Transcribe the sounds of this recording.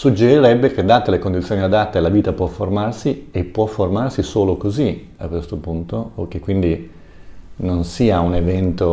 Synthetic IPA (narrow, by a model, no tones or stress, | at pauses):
sud͡ʒːeɾiɾɛbːek̟ed̪ːaːt̪alekond̪it̪sjoːniad̪at̪ːaelaviːt̪apwɔfːormarsiepːwɔfːormarsisoːlokozi | akːwest̪opunt̪ook̟ːekːwind̪i | nonsiːaunevɛnt̪o